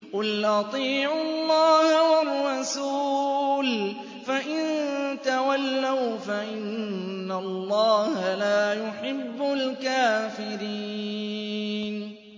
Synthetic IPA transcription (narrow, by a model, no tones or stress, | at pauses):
qʊlʔɑt̪ˤiːʕʊlˤːɑːhawarːɑsuːl | faʔɪnt̪awalːawfaʔɪnː | alˤːɑːhalaːjʊħɪbːʊlkaːfɪɾi | n